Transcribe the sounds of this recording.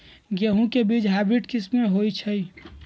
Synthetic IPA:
ɡəɦũkebiːt͡ʃɦaːɪbɾiʈkɪsmẽɦoːit͡ʃʰəi

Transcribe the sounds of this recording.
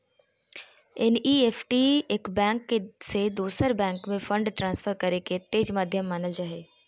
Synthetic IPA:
enʔiːeːfʈiɪkbɛ̃ːŋkːsed̪uːsəɾbɛ̃ːŋkmẽfə̃ɳɖʈɾãːnsfʰəɾkɐɾeket̪eːd͡ʒmaːd̪ʱjəmːaːnəld͡ʒaːɦeː

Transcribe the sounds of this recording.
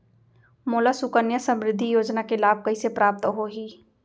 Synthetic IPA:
moːlasʊkənjəsə̃mɾɪd̪ʱːijoːd͡ʒnakelaːb̚kɐisepɾaːp̚t̪ɦoɦiː

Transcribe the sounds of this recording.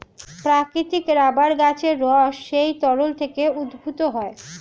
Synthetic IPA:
pɾakɾit̪ikɾabaɾɡat͡ɕʰeɾːɔʃːejt̪ɔɾolt̪ʰekeud̪bʱut̪oɦɔe

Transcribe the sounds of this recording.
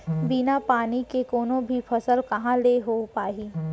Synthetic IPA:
binapaːnikekoːnõbʱipʰɐsəlkɐɦãleɦopaːɦiː

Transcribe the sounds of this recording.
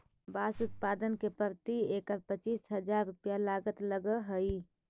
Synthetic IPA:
basut̪̚pad̪ənkepəɾt̪iekəɾpət͡ʃisɦəd͡ʒaɾupjalaɡət̪ləɡəɦəi

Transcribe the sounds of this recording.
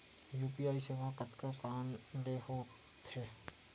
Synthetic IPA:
juːpiaːiseʋakət̪kakaːnɖehoːt | t̪heː

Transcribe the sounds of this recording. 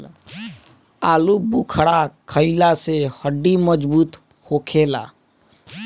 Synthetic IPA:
aːlubukʰəɽakʰəɪlasehəɖːiməd͡ʒbuːt̪ | hokʰela̰

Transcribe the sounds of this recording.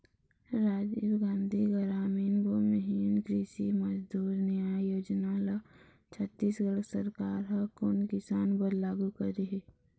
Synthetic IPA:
ɾaːd͡ʒeːbɡãːnd̪ʱiɡəɾaːminbomeɦiːnkɾiʃiməd͡ʒd̪uːɾnjajoːd͡ʒnala | t͡ʃʰət̪ːiːsɡəɽsəɾkaːɾɦɐkoːnkɪsaːnbəɾlaːɡukɐɾiɦe

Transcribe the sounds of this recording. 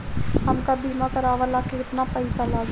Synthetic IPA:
ɦɐmkabʱiːmãkəɾaːʋalaːkeɪt̪napəisala

